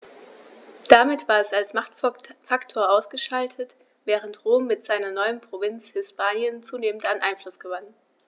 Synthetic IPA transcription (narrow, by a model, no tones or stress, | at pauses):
d̥amɪtv̥aːɐɛsalsmaχtfaktʰoːɐaʊsɡ̥əʃaltʰət | v̥ɛːʁ̞əntʁoːmːɪtz̥aɪnɐnɔʏənpʁ̥ovɪnt͡shɪspʰaːnjənt͡suːneːmən̩tanʔaɪnflʊsɡ̥əvan